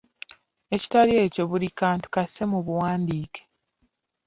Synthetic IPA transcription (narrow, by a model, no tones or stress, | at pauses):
e̞ci̥taɾie̞ːco̞βulikaːntu̥kase̞muβuwaːndiːke̥